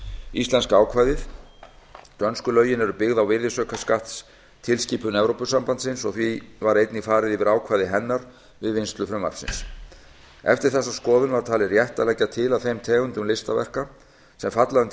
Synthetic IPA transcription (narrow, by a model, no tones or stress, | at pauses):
ist̪lɛnskaːwkʰvaːjðɪθ | t̪œnskʏlœːɥjɪnɛɾʏpɪɣðawvɪɾðɪsœːkaskaht̪s | t̪ʰɪlsciːpʏnɛvɾowpʏsampant̪sɪnsɔɣθvivaɾejt̪nɪfaːɾɪðɪvɪɾaːwkʰvaːjðɪɦɛnːaɾ | vɪðvɪnst̪lʏfɾʏmːa̰ɾ̥fsɪ̰ns | ɛ̰ft̪ɪɾ̥θɛsːaskɔːðʏnvaɾ̥t̪ʰaːlɪrjɛht̪alɛːcat̪ʰɪlawθejmt̪ʰɛːɣʏnt̪ʏmlɪst̪avɛ̰r̥ka | sɛmfat̪laðʏnt̪